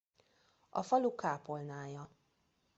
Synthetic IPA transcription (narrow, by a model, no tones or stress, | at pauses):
ɒ̰fɒlukaːpolnaːjɒ